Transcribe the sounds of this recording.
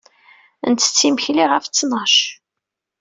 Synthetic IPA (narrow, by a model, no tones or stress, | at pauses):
ə̰nt̪ə̥t͡sːimçliʁəft͡sːnɑʃ